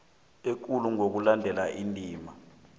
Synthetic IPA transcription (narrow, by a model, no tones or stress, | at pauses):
ek̬uluŋok̬ulandʱɛlaʔintʼiːma